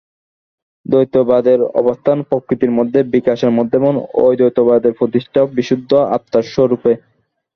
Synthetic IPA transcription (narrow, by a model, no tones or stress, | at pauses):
d̪ojt̪obad̪eɾɔ̰bost̪ʰanpɾokɾit̪iɾmod̪ʱːebikaʃeɾmod̪ʱːemono̰jd̪ojt̪obad̪eɾpɾot̪iʃʈʰabiʃud̪ʱːoa̰pt̪ːaʃoɾupe